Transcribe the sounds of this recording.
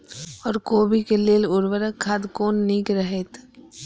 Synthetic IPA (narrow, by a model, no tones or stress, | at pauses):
ɔːɾkoːbikeleːlʊɾʋəɾəkʰːaːd̪koːnːiːkɾəɦet̪